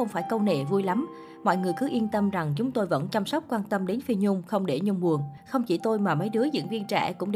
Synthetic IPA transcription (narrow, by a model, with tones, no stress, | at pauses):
xə˧wŋ͡mfaː˧˩jkə˧wnḛ˧˨vu˧jla˨˦m | mɔ̰˧˨jŋɨ˨˩əjkɨ˨˦ʔi˧ənt̪ə˧mza˨˩ŋt͡ɕʊ˨˦ŋ͡mt̪o˧jvə̰˧˥nt͡ɕa˧msə˦˥wk͡p̚kwaː˧nt̪ə˧mɗe˨˦nfi˧ɲʊ˧ŋ͡mxə˧wŋ͡mɗe˧˩ɲʊ˧ŋ͡mɓu˨˩ənxə˧wŋ͡mt͡ɕḭ˧˩t̪o˧jmaː˨˩mə˨˦jɗɨ˨˦əzɨ̰˧˥ŋvi˧ənt͡ɕɛ̰˧˩kʊ̰˧˥ŋ͡mɗ